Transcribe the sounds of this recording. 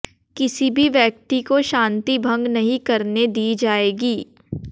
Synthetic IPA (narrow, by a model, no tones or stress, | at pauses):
kɪsibʱiʋjɐk̚t̪ikoʃãːnt̪ibʱɐ̃ŋɡnɐɦĩkɐɾned̪iːd͡ʒaːeːɡiː